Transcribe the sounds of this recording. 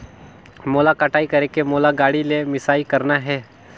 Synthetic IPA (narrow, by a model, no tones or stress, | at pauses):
moːlakaːʈaːikɐɾekemoːlaɡaːɽilemɪsaːikɐɾnaɦɛː